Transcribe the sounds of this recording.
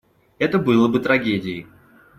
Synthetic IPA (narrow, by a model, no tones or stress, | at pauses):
ɛt̪əbɨlˠəbɨt̪ɾɐɡʲedʲɪɪ